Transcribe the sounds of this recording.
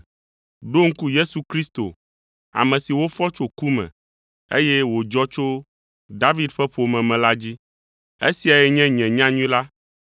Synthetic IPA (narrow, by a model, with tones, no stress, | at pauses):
ɖo˦ŋ̩˦ku˦je˦su˨kɾi˦st̪o̰˨ | a̰˨mɛ̃˨si˨wo˦fɔ˦t͡ʃo˨ku˦mɛ̰̃˨ | e˦jɛ˦wo˨d͡ʒɔ˦t͡ʃo˦ | d̪a˦vi˦d̪ɸɛ˦ɸo˨mɛ̃˨mɛ̃˨la˦d͡ʑi˦ | ḛ˦si˨a˨jɛ˦ɲɛ̃˦ɲɛ̃˨ɲã˦ɲũ˦ĩ˦la˦